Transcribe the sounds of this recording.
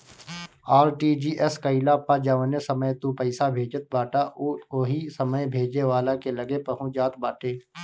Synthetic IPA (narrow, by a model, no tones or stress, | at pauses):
aːɾʈid͡ʒiːʔɛskəɪlapːad͡ʒaʋənesəməjt̪ũpəɪsabʱeːd͡ʒət̪̚baːʈaʔʊkoɦisəməjbʱeːd͡ʒeʋaːlakelɐɡepɐɦũd͡ʒaːt̪baːʈʰeː